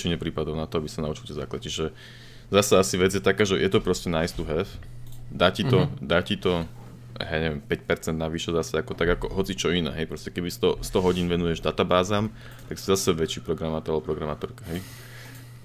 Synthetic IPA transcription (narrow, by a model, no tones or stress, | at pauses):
t͡ʃiɲɛpɾiːpad̪ɔʊnat̪ɔabisanaut͡ʃucɛzaːklat͡ʃiʒɛ | zasaasiʋɛd͡zjɛt̪akaːʒɛjʔɛt̪ɔpɾɔscɛnaist̪uɦɛfd̪aːcit̪ɔd̪aːcit̪ɔ | ja̰jjaɲɛʋjɛmpɛcpɛɾt͡sɛnd̪̚naʋiʃɛzasɛakɔt̪aɡakɔɦɔt͡sit͡ʃɔinɛ̰ːɦɛjpɾɔscɛkɛbist̪ɔst̪ɔɦɔɟiːnʋɛnujɛʒd̪at̪abaːzaːm | t̪aksi̥zasɛʋɛt͡ʃiːpɾɔɡɾamaːt̪ɔɾalbɔpɾɔɡɾamaːt̪ɔɾkaɦɛj